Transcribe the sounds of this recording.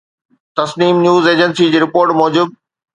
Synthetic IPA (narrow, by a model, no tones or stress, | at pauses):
t̪ɐsniːmnjuːzeːd͡ʑənsid͡ʑiːɾɪpoːɾʈmɔːd͡ʑuːd̪̚